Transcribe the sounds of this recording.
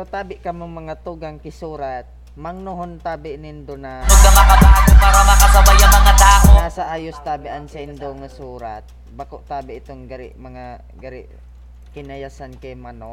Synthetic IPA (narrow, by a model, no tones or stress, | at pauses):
ot̪aːbɪʔkɐmoŋmɐŋat̪uɡaŋkɪsuːɾat̪̚ | mɐŋnoɦont̪aːbɪʔnɪnd̪onanoɡ̪̚amɐkabat̪opaːɾamɐkasabajaŋɐŋat̪aːʔonasɐʔaːjost̪aːbɪʔansɐʔɪnd̪oŋasuːɾat̪̚ | bakoʔt̪aːbɪʔt̪oŋɡaɾɪ̰ʔmɐŋa | ɡɐɾɪ̰ʔ | kɪnɐjasankajmɐno